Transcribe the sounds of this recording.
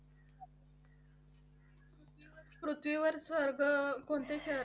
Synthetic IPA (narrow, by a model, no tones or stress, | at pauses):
pɾut̪ʰʋiʋəɾsʋəɾɡʱəkoɳt̪eɕəɾ